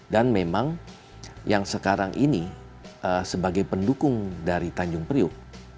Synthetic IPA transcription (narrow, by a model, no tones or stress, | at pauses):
danmemaŋ | jaŋsəkaɾaŋʔini | ʔəsəbaɡajpəndukʊŋdaɾit̪aɲd͡ʒʊŋpɾiʊ